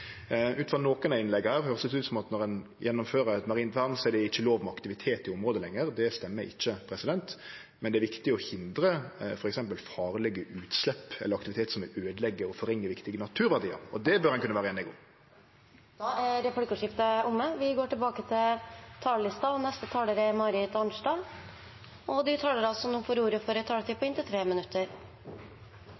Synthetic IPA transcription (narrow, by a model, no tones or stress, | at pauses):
ʔʉːt̪fʁɑnoːkənɑɪnlɛɡhæːɾhøːʁəsɪsʉːəsɔmɑt̪nɔʁɛn | jʔɛnːɔmføːʁəɾɛt̪mɑʁiːnt̪ʋæʁnsɔɛɖɛɪçːəloːʋmɛɑkt̪ɪʋɪt̪ʰeːt̪ɪɔmʁoːd̪əlɛŋːəʁd̪ɛst̪ɛmːəɾɪ̰çːəpʰɾɛsɪd̪ɛnt̪ | mɛnd̪ɛɾʋɪkt̪ɪɔhɪnd̪ɾəfɔɾɛksɛmpəlfɑːʁlɛɡəʔʉːt̪slɛpːɛ̰ləɾɑkt̪ɪʋɪt̪eːt̪sɔmɛøːd̪əlɛɡːəɔfɔɾɛŋːəʋɪkt̪ɪɡənɑt̪ʰʉːɾʋæʁdiːə̰ɾɔd̪ɛbœɾɛnkʉnːəʋæːɾəɛːnɛɡʊ̰m | d̪̥ɑːæɖɛfɽɪkəʂɪft̪əʊməʋɪɡoːʈɪlbɑːkət̪ʰɪlt̪ʰɑːllɪst̪ɑɔnɛst̪ət̪ʰɑːləɾɛmɑːɾɪt̪ɑnʂɖɑː | ɔd̪ɪt̪ʰɑːləɾɑlsɔmʊfoːɾuːɾəfɔɾɛt̪ʰɑːlət̪iːpɔɪnt̪ɪt̪ʰɾeːmɪnʉt̪ʰːəɾ